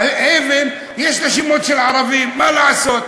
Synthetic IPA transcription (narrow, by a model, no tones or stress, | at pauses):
evem | jeʃʁeʃimo̞t̪ʃelʕaʁavimːalaʕaso̞t̪